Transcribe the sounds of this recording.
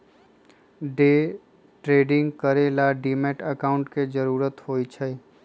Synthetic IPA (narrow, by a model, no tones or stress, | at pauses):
ɖeː | ʈɾeːɖɪ̃ŋɡkəɾelaɖiːmeːʈəkaːʊ̃ɳʈked͡ʒəɾuːɾət̪ɦoːit͡ʃʰə